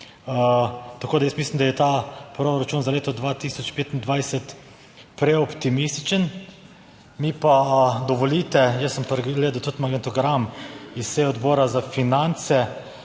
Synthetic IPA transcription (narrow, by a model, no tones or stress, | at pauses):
ət̪akoːd̪ajəsmislimd̪ajɛt̪apɾoɾat͡ʃuːnzaleːt̪ɔd̪ʋat̪isɔt͡ʃpeːt̪ind̪ʋajsɛt̪ | pɾɛɔpt̪imist̪i̥t͡ʃən | mipad̪ɔʋɔlit̪ɛjəsːəmpɾɡɡleːd̪ɐwt̪ut̪maɡɛnt̪ɔɡɾamisseɔd̪bɔːɾazafinant̪sɛ